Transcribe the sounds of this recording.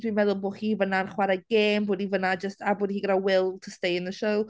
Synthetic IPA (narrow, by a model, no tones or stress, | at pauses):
d̥winmɛðʊlˠboːχiːvənanχwaɾaɡ̥eːmbʊːdivənad͡ʒəstabʊːdihiːɡəɾawɪlˠtʰəstejɪnðəʃow